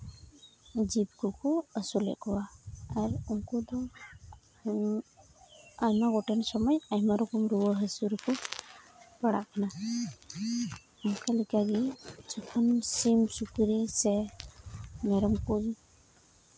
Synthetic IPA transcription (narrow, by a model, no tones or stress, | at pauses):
d͡ʒib̚kɔkɔəsulɛ̰ʔkɔwaːɾuŋkɔd̪ɔ | ajmaɡɔʈɛnsɔmɔjajmaɾɔkɔmɾuwɔɦəsuɾukʰɔ | paɽa̰ʔkʰana | umkʰalɛkaɡid͡ʒɔkʰɔnsimsukɾisɛ | mɛɾɔmkud͡ʒi